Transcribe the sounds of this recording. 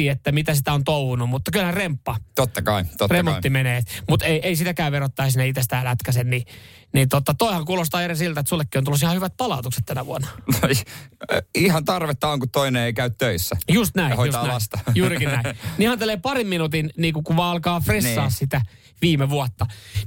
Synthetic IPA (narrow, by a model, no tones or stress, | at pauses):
iːet̪ːæmit̪æsit̪æont̪ouʋunummut̪ːɑkylhænrempːɑt̪ot̪ːɑkɑit̪otremːoːimeneːt̪mut̪eieisit̪ækæːʋerot̪ːɑːɑsinːæit̪est̪æːlæt̪kæsenni | nint̪ot̪ɑt̪oihɑŋkuːlost̪ɑːerisilt̪æet̪sulːekːionulːˑusihɑhyʋæt̪̚pɑlɑut̪ukse̥t̪t̪ænæʋuɑnɑni | ihɑnt̪ɑrʋet̪ːɑoŋkutt̪oineeikæyt̪tøisːæjust̪næihojustːnæist̪ɑjuːrikinnæinihɑnt̪eleːpɑrimminut̪inniːkukuʋʋɑːɑlkɑːfresːɑːssit̪æ | ʋiːmeʋuot̪ːɑ